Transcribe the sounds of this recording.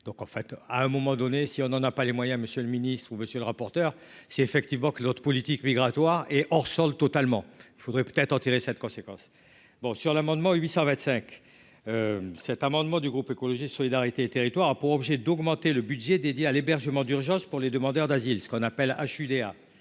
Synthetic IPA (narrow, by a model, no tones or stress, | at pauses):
d̪ɔ̃kɑ̃fɛt̪aɛ̃mɔmɑ̃d̪ɔnesiɔ̃nɑ̃napalemwajɛ̃məsjøləminist̪χuməsjøləʁapɔʁt̪œʁ | sɛefɛkt̪ivmɑ̃kənɔt̪χəpɔlit̪ikmiɡʁat̪waʁɛʔɔʁsɔlt̪ɔt̪almɑ̃ilfod̪ʁɛpø̥t̪ɛt̪χɑ̃t̪iʁesɛt̪kɔ̃sekɑ̃s | bɔ̃syʁlamɑ̃d̪mɑ̃ɥisɑ̃vɛ̃t̪sɛ̃k | øsɛt̪amɑ̃d̪mɑ̃d̪yɡʁupekɔlɔʒisɔlid̪aʁit̪eːt̪eʁit̪waʁapuʁɔbʒɛd̪ɔɡmɑ̃t̪eləbyd̪ʒɛd̪ed̪jealebɛʁʒəmɑ̃d̪yʁʒɑ̃spuʁled̪əmɑ̃d̪œʁd̪azilsə̥kɔ̃napɛla̰ʃyd̪ea